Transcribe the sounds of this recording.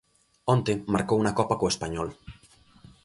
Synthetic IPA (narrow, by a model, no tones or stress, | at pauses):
ɔ̃nt̪emaɾkowunakɔpakoespaɲɔl